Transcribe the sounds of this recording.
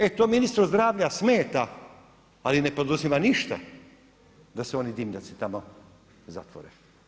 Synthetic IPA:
et̪ominist̪ɾozd̪ɾaːvʎasmɛːt̪a | alinɛpɾod̪uzimaniʃt̪a̰ | d̪aseonid̪imʎat̪sit̪amo | za̰t̪ʋo̰ɾɛ̰

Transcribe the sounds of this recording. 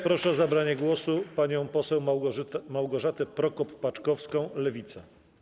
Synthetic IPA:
pɾɔʂɛɔzabɾaɲɛɡwɔsupaɲɔ̃w̃pɔsɛwmawɡɔʐat̪ɛpɾɔkɔpːat͡ʂkɔfskɔ̃w̃lɛvʲit̪sa

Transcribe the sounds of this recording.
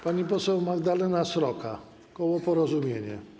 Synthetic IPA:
paɲipɔsɛwmaɡd̪alɛnasɾɔkʰa̰ | kɔwɔpɔɾɔzumʲjeɲɛ̰

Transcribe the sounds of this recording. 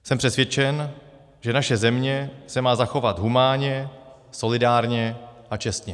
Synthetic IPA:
sɛmpr̥ɛsvjɛt͡ʃɛn | ʒɛnaʃɛzɛmɲɛsɛmaːzaxo̞vat̪ɦumaːɲɛ | so̞lɪdaːɾɲɛʔat͡ʃɛst̪ɲɛ

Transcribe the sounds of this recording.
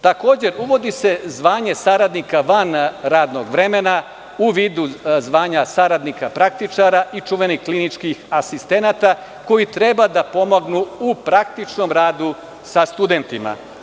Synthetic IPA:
t̪ako̞ːd͡ʑe̞ɾuʋo̞d̪ise̞zʋaːɲe̞saɾad̪nikaʋanɾaːd̪no̞ɡʋɾe̞mena | uʋiːd̪uzʋaːɲasaɾad̪nikapɾak̚t̪it͡ʂaɾaʔit͡ʃuʋeniklinit͡ʃkixasist̪e̞nat̪a | ko̞jit̪ɾe̞bad̪apo̞moɡnuupɾak̚t̪it͡ʃno̞mɾaːd̪u | sast̪ud̪e̞nt̪ima̰

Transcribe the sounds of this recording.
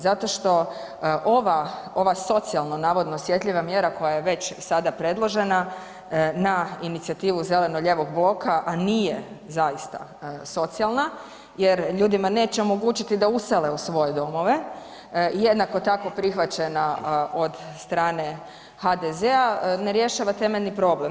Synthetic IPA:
zat̪o̞ʃt̪o̞ | ʔoʋao̞ʋaso̞t̪sialˠnonaːʋo̞d̪noːsje̞t̪ʎiʋamje̞ɾako̞jajeʋe̞t͡ɕsad̪apɾe̞d̪lˠo̞ʒe̞na | nainit̪siat̪iːʋuze̞le̞noʎe̞ʋo̞ɡ̚blˠo̞kaʔaniːje | zajist̪a̰so̞t̪sialˠna | jeɾʎuːd̪imane̞ːt͡ɕeo̞mo̞ɡut͡ɕit̪id̪ausele̞usʋo̞je̞d̪o̞mo̞ʋe̞ | ije̞d̪nako̞t̪ako̞pɾixʋat͡ɕe̞nao̞d̪st̪ɾaːne̞ | had̪ezeaneɾje̞ʃaʋat̪e̞me̞ʎnipɾo̞ble̞m

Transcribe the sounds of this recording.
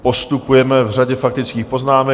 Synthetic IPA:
po̞st̪upujɛmɛvraɟɛfak̚t̪ɪt͡skiːxpo̞znaːmɛ

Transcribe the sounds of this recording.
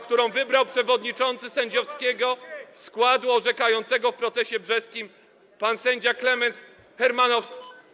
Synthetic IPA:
kt̪uɾɔ̃w̃vɘbɾawpʂɛvɔd̪ɲit͡ʂɔnt̪sɘsɛɲd͡ʑɔfskʲɛɡɔskwad̪uɔʐɛkajɔnt̪sɛɡɔfpɾɔt̪sɛɕɛbʐɛskʲim | pansɛɲd͡ʑaklɛmɛns | xɛɾmanɔfskʲi̥

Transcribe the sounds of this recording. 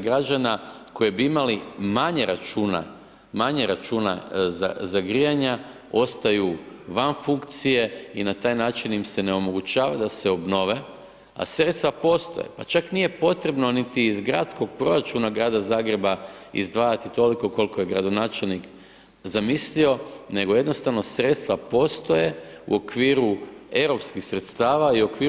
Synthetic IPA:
ɡɾad͡ʒanako̞jebiimalimaɲeɾat͡ʃuːna̰ | maɲeɾat͡ʃuːna̰za̰zaɡɾijaɲa | o̞st̪ajuʋanfuŋkt̪sije̞inat̪aːjnaːt͡ʃinjimse̞ne̞o̞mo̞ɡut͡ʃaːʋad̪ase̞o̞bno̞ʋe̞ | a̰sɾet̪st̪ʋapo̞ːst̪o̰je̞̰pat͡ʃaknije̞po̞t̪ɾe̞bno̞nit̪iːzɡɾaːt̪sko̞ɡ̚pɾo̞ɾat͡ʃunaɡɾaːd̪azaːɡɾe̞baḭzd̪ʋaːjat̪it̪o̞liko̞ko̞likoje̞ɡɾad̪o̞naːt͡ʃelnik | zamislio̞ne̞ɡo̞jed̪nost̪aʋno̞sɾe̞ːt̪st̪ʋapo̞ːst̪o̞je̞ṵo̞kʋiːɾue̞wɾo̞pskixsɾe̞t̪st̪aːʋaiuokʋiː

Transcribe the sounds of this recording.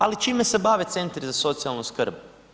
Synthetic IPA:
alit͡ʃiːmese̞baːʋe̞t̪se̞nt̪ɾizaso̞t̪sialˠnuskr̩b

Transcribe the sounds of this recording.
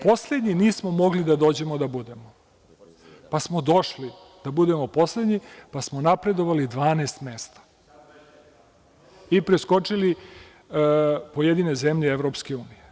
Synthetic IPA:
po̞sle̞d̪ɲiniːsmo̞mo̞ɡlid̪ad̪o̞ːd͡ʑe̞mo̞d̪abud̪e̞mo | pasmo̞d̪o̞ʃli | d̪̥abud̪e̞mo̞po̞sled̪ɲipasmonapɾe̞d̪o̞ʋalid̪ʋaːneːst̪me̞st̪ḁ | ipɾesko̞t͡ʂili | pojed̪ine̞zemʎeevɾo̞pskeuːnije

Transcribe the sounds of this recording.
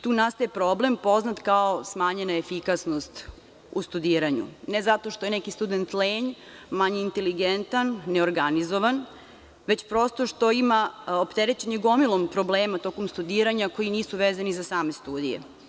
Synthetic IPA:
t̪uːnast̪ajepɾo̞ble̞mpo̞znat̪kaosmaːɲenaefikasnost̪ | ust̪ud̪iːɾaɲṵnezat̪o̞ʃt̪ojenekist̪ud̪ent̪leːɲ | maɲeint̪e̞liɡent̪anːeoɾɡanizoʋan | ʋe̞t͡ɕpɾo̞st̪oʃt̪oimaopt̪eɾet͡ɕeɲeɡo̞milˠompɾo̞bleːmat̪o̞ːkomst̪ud̪iːɾaɲako̞jiniːsuʋeːzanizasaːme̞st̪uːd̪ḭjḛ

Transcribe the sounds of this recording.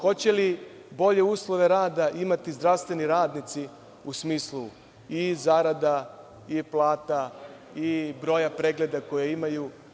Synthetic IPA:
xo̞t͡ɕe̞li | bo̞ʎe̞uːslˠo̞ʋe̞ɾaːd̪aʔimat̪izd̪ɾaʋst̪ʋe̞niɾaːd̪nit̪si | usmiːslu | izaɾad̪a | iplˠaːt̪a | ibɾo̞ːjapɾeɡle̞d̪ako̞jeimaju

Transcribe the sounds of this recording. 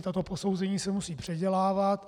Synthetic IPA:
t̪ot̪o̞po̞sowzɛɲiːsɛmusiːpr̝̥ɛɟɛlaːvat̪

